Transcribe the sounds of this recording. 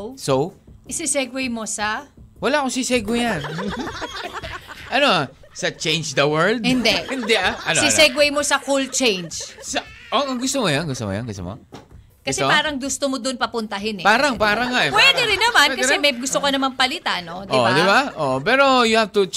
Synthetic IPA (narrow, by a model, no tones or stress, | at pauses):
sowʔɪsisɛɡwɛjmo̞sɐwɐlaːkosisɛɡwɛjan | ʔɐno | sɐt͡ʃẽjnd͡ʒd̪ɐwɛɹd̪hɪnd̪ɛʔhɪnd̪ɛʔaʔɐnoisɛɡwɛjmo̞sɐkult͡ʃejnd͡ʒsɐʔoʔɐŋɡʊst̪oŋɐjonɡʊst̪o̰ŋɐ̰jo̰nɡʊst̪o̰mo̰ | ɡkɐsɛopaːɾɐŋɡʊst̪omod̪onpɐpʊnt̪ɐɦɪnɛpaːɾɐŋpaːɾɐŋːaʔɛpwɛd̪ɛɾɪnːɐmankɐsɛmɐjɡʊst̪okɐnɐmanpɐlɪt̪ano̞d̪ʔɪdd̪ɪbaʔoʔpɛːɾo̞jʊhavt̪ʊ